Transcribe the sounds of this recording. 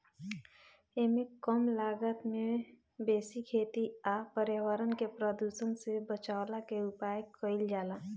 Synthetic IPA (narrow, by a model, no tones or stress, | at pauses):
emẽkəmlaːɡət̪mẽ | beːsikʰeːt̪iapəɾjawəɾənkepɾəd̪usənsebət͡ʃaːlakeʊpaːjkəɪld͡ʒaːlaː